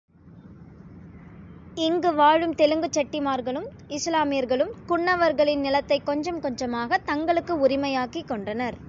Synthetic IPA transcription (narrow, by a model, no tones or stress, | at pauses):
ɪŋɡɯʋaːɻɯmt̪ɛlɯŋɡɯt͡ʃːɐʈːɪmaːɾɣɐɭɯm | ɪslaːmɪjɐɾɣɐɭɯmkʊɳːɐʋɐɾɣɐɭɪnnɪlɐt̪ːɐɪkːɔɲd͡ʒɐmkɔɲd͡ʒɐmaːɣɐt̪ɐŋɡɐɭɯkːɯʊɾɪmɐjaːkikːɔɳɖɐnɐɾ